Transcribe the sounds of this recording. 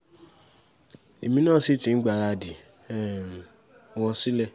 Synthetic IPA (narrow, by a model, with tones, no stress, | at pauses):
e˨mĩ˧nãː˦˨si˦˨tĩ˧n̩˦ɡ͡ba˨ɾa˧˨di˨ | ɛ˦˨ | w̃ɔ̃˧si˦lɛ˦˨